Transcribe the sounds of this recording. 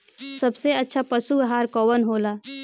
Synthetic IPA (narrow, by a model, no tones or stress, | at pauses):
səbseətːʃʰapəsuɡɦaːɾkɔːwənɦoːlaː